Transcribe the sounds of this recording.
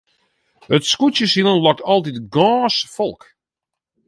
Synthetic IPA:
ətskutjəsilˠənlɔk̚tʰɔlˠditɡɔːsfɔlˠk

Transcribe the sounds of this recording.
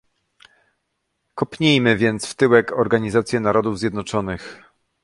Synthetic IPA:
kɔpɲejmɘvʲjɛnt̪sft̪ɘwɛkɔɾɡaɲizat̪sʲjɛnaɾɔd̪uvzʲjɛd̪nɔt͡ʂɔnɘx

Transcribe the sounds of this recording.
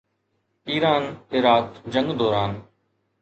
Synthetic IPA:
iːɾaːnɪɾaːt̪d͡ʒə̃ŋɡd̪ɔːɾaːn

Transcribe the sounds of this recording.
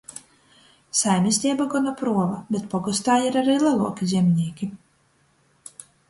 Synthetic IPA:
sajmʲisʲt̪ʲiɛbaɡɔnɔpɾuɔvabʲet̪̚pɔɡɔst̪aːjiɾaɾiːlˠalˠṵɔkʲizʲɛmʲnʲiːkʲi

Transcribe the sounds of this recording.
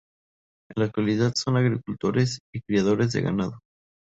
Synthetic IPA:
enlak̚t̪waliðaðso̞naɣɾikult̪o̞ɾesikɾiaðo̞ɾe̞zðe̞̰ɣa̰nað̞o

